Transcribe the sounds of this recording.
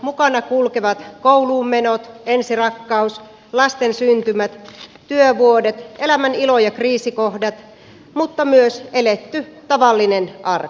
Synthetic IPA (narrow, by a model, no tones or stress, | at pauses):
mukɑnɑkulkeʋɑt̪kouluːmmenot̪ensirɑkːɑus | lɑst̪ensynt̪ymæt̪ | t̪yøʋuodet̪ʔelæmænilojɑkriːsikohdɑt̪ | mut̪ːɑmyøselet̪ːyt̪ɑʋɑlːinenʔɑrk